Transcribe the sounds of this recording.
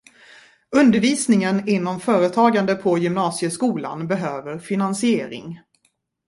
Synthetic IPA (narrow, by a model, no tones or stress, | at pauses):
ɵnd̪əɾviːsnɪŋənɪnːɔmfœːɾət̪ʰɑːɡand̪əpʰɔjɵmnɑːsɪəskuːla̰nbɛɦøːvəɾfɪnansɪeːɾɪ̰ŋ